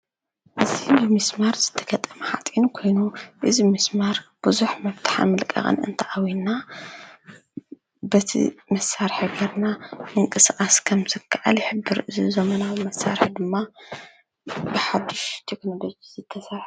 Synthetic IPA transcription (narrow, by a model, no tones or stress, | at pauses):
ʔɨzibɨmɨsmaɾzɨt̪ʰɐ̥ɡɐt̪ʼɐmɐħat̪ʼinukʰo̞jnuʔɨzimɨsmaɾb̥ɨzuħmɐβt̪ʰḁħa̰mɨlkʼɐ̰χʼɨ̰nɨ̰nt̪ʰɐʔawinːa | bɐt̪ʰḭmɐsːaɾħɨɡɐɾnaɨŋkʼɨskʼaskʰɐmzɨkʰːaʔa̰ljħɨbːɨɾɨzizɐmɐnawmɐsa̰ɾħd̪ɨmːa | bɨħad̪ːɨʃt̪ʰekno̞lo̞d͡ʒizɨt̪ʰːɐsɐɾħ